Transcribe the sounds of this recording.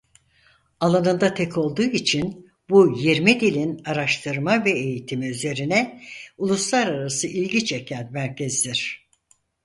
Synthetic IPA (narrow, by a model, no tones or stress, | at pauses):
alˠanɯnd̪at̪ʰɛkʰo̞lˠd̪uːit͡ʃʰin | bujiɾmid̪ilʲinaɾaʃt̪ʰɯɾmavɛejit̪ʰimiyze̞ɾinɛulˠuslˠaɾaɾasɯʔilʲɟit͡ʃecʰænmæɾcʰɛzd̪iɾ̥